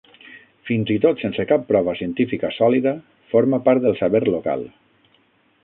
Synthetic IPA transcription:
finzit̪ot̪sensəkapːɾɔβ̞əsiənt̪ifikəsɔliðə | foɾməpaɾt̪̚d̪əlˠsəβeɾloka̰lˠ

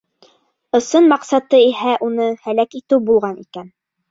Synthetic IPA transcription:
ŏsɤnmɑqsɑt̪ɤihæʔunɤhælækit̪ɘwbulˠʁɑnikæn

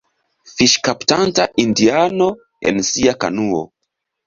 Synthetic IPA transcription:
fiʃkaptantaʔindiano̞ | ḛnsiaka̰nuo̰

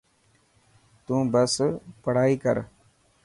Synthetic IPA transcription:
t̪ũːbəspəɽ̤aːiːkə̰ɾ

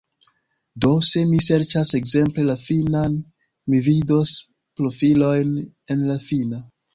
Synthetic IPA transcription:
do̞se̞mise̞ɾt͡ʃase̞kze̞mple̞lafinan | mivido̞s | pɾo̞filo̞jn | e̞nlafina

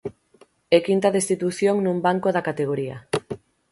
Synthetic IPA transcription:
ɛkint̪aðest̪it̪uθjoŋnumbaŋkoðakat̪eɣ̞oɾia̰

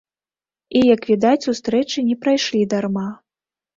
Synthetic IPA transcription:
ijɐkvʲid̪at͡sʲsust̪ɾɛt͡ʂɨnʲɛpɾajʂlʲid̪arma

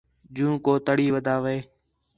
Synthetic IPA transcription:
d͡ʒũːkoːt̪əɽiːʋəd̪ʱaːʋeː

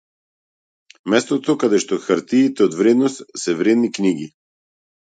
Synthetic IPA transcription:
mɛst̪ɔt̪okad̪ɛʃt̪oxaɾt̪iːt̪ɛɔd̪vɾɛd̪nɔst̪sɛvɾɛd̪nikniɡi

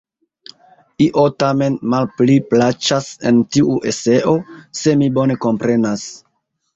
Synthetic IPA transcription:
iʔo̞tame̞nmalpliplat͡ʃase̞̰ntiʔuʔe̞se̞ʔo̞se̞mibo̞ne̞ko̞mpɾe̞nas

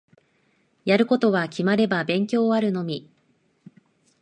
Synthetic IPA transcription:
jaɾɯ̟ko̞t̪o̞βakʲimaɾe̞babẽ̞ŋkʲo̞ːaɾɯ̟no̞mʲi

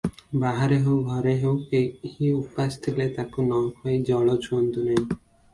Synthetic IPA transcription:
baɦaɾeɦewɡʱɔɾeɦewkehiupast̪ʰilet̪akunɔkʰɔjd͡ʒɔɭɔt͡ʃʰuɔnt̪unaĩ

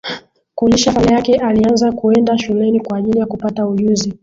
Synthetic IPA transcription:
kuɲiʃafalajakɛʔalianzakuɛndaʃulɛnikwaːʄilijakupatauʄuzi

